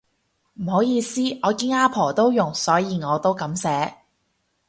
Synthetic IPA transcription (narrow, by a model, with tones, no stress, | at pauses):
m̩˨˩ho˨˥wjiː˨˧siː˥ɔː˨˧kiː˧˥naː˥pʰɔː˨˩t̪o˥wjʊ˨˩ŋsɔː˨˥jiː˨˧ŋɔː˨˧t̪o˥wkɐ˨˥msɛː˨˥